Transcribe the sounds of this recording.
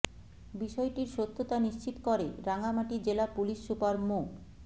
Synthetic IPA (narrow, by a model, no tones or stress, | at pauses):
biʃɔeʈiɾʃot̪ʰːot̪aniʃt͡ɕit̪okoɾeɾaŋamaʈid͡ʑelapuliʃːupaɾmo